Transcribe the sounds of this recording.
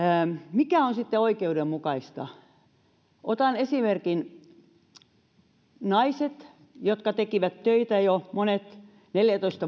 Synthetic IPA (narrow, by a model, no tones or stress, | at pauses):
mikæonsit̪ːeoikeudemmukɑist̪ɑ̰ | ʔot̪ɑnesimerkin | nɑiset̪ | jot̪kɑt̪ekiʋæt̪tøit̪æjomonet̪ | neljæt̪oist̪ɑ